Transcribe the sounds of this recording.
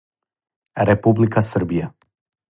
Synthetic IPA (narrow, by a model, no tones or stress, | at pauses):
ɾɛpublikasr̩bija